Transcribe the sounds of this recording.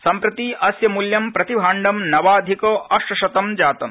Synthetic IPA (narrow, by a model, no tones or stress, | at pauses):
sɐmpɾɐt̪iːʔɐsjɐmuljɐmpɾɐt̪ibʱaːɳɖɐmnɐʋaːd̪ʱikoːʔɐʃʂɐʃɐt̪ɐmd͡ʒaːt̪ɐm